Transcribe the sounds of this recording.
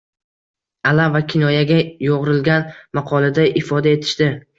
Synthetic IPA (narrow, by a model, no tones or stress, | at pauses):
alavakʲʰɪnɒjaɡʲajoʁɾɪlɡʲanmaqʰɒlˠad̪aʔɪfɒd̪ae̞t̪ʰɪ̥ʃt̪ɪ